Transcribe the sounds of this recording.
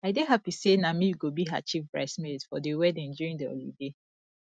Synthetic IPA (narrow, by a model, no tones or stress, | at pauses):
aɪdeɦapisenamijuɡobiɦa̰t͡ʃifpɹa̰ɪsmedfɔdewɛdɛ̃nd͡ʒɔɹĩŋdio̰lḭde